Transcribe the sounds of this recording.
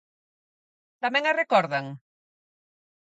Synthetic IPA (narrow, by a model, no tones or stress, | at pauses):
t̪amɛ̃ŋarekɔɾðaŋ